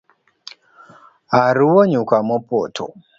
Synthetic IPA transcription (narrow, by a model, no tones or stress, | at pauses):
aɾuwɔɲukamɔpɔtʰɔ̰